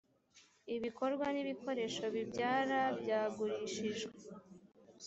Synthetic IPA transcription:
iβiko̞ɾɡwaniβiko̞ɾe̞ʃo̞βibɟaːɾabjɟaːɡuɾiʃiʒɡe

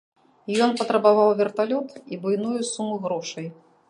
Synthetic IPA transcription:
jɔnpɐt̪ɾɐbavawvʲɛrt̪alʲɔt̪ibujnujusumuɣɾɔʂɐj

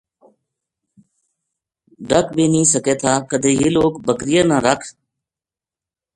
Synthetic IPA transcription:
ɖəkbeːnĩːsəkeːt̪ʰaːkəd̪ʱeːɦiːloːkbəkɾɪjəːnãːɾəkʰ

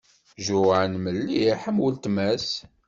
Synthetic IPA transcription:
ʒʊʕənməlːiħæmwəlt̪mæs

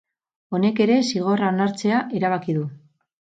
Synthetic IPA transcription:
o̞ne̞ke̞ɾe̞siɣ̞o̞raonaɾt͡se̞aʔeɾaβ̞akiðu

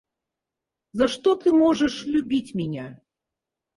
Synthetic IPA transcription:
zɐʂt̪ɔt̪ɨmɔʐəʂlʲubʲit͡sʲmʲinʲa

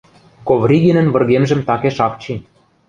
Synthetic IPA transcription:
kovrʲiɡʲenɘ̆nβɤ̆rɣemʒɘ̆mt̪ɑkeʃɑkt͡ɕi

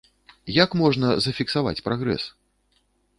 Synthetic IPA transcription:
jakmɔʐnɐzɐfʲiksava̰t͡sʲpɾaɣɾɛ̰s

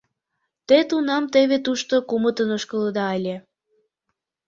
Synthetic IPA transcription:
t̪et̪unɑmt̪eβet̪uʃt̪okumət̪ənoʃkələd̪ɑːlʲe

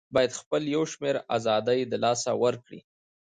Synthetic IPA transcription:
bɑjad̪xpəljawʃmeɾa̰zɑd̪əjd̪əlɑsawəɾkɽḭ

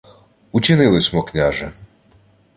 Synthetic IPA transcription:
ut͡ʃɪnɪlˠɪsʲmɔknʲaʒɛ

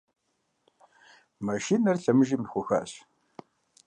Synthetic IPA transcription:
maʃinɐrɬɐmɨʒiːmxʷʊxa̰ːɕ

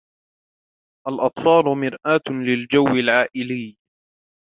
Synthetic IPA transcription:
ʔalʔɑt̪ˤfɑːlʊmɪɾʔaːt̪lɪld͡ʒawːɪlʕaːʔɪlɪj

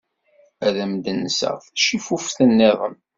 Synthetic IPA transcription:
æðæmd̪ənːsə̰ʁθʃifufθənːɪðˤəm

